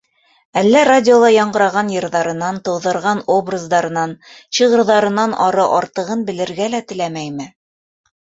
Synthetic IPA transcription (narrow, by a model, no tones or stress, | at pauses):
ælːæradʲɪolˠɑjɑɴɢɤ̆ɾɑʁɑnjɤ̆ɾðɑɾɤ̆nɑnt̪ɤ̆wðɤ̆ɾʁɑnobrazd̪ɑɾɤ̆nɑnɕɤ̆ʁɤ̆ɾðɑɾɤ̆nɑnɑɾɤʔɑɾt̪ɤ̆ʁɤnbɘ̆lɘ̆ɾɡælæt̪ɘ̆læmæjmɘ